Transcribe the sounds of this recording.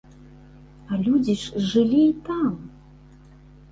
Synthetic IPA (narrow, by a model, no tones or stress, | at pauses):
ɐlʲud͡zʲiʂʐɨlʲiːt̪am